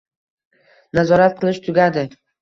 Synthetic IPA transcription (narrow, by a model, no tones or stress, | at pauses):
nazɒɾat̪̚qʰɨlˠɪʃt̪ʰʊɡʲad̪ɪ